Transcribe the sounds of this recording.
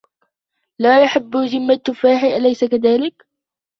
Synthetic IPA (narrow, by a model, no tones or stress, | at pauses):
laːjʊħabːzɪmːat̪faːħɪʔalajsakaðaːlɪk